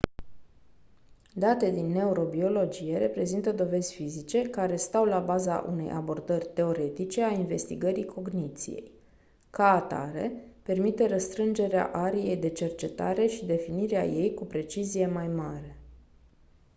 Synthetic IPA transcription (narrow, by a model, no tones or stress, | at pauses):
d̪at̪e̞d̪inːe̞uɾo̞bio̞lo̞d͡ʒije̞ɾe̞pɾe̞zint̪əd̪o̞ve̞zʲfizit͡ʃe̞kaɾe̞st̪awlabaza̰ʔṵne̞̰jʔa̰bo̞rd̪ərʲt̪e̞o̞ɾe̞t̪it͡ʃe̞ainve̞st̪iɡəɾikʰo̞ɡnit̪sḭje̞̰j | kaːt̪a̰ɾe̞̰pe̞rmit̪e̞ɾəst̪ɾɨnd͡ʒe̞ɾea̰ʔaɾije̞jd̪e̞t͡ʃe̞rt͡ʃe̞t̪a̰ɾe̞ʃid̪e̞finiɾea̰je̞jkupɾe̞t͡ʃizije̞majmaɾe̞